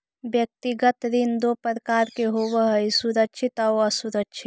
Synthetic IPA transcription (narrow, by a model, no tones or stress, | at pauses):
bjək̚t̪iɡət̪ɾind̪opəɾəkaːɾkeɦoβəɦəjsuɾəkʃʰit̪aoəsuɾəkt͡ʃʰit̪